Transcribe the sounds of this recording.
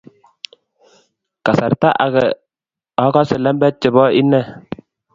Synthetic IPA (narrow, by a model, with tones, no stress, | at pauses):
ka˨sa˨ɾta˦ʔa˨kɛ˨ | ɔ˦kɔ˦sɪ˨lɛ˦mbɛ˦t̚t͡ʃɪ˨bɔ˦ʔi˦nɛ˦˨